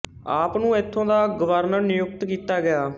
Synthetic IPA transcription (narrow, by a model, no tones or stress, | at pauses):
aːpnũːɪt̪ʰːõːd̪aːɡəʋəɾnəɾnɪjʊk̚t̪kiːt̪aːɡɪjaː